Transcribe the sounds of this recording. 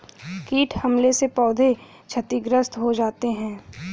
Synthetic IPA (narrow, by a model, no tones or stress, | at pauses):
kiːʈʰhɐmlesepɔːd̪ʱe | t͡ʃʰɐt̪iɡɾəst̪ɦod͡ʒaːt̪eɦɛ̃ː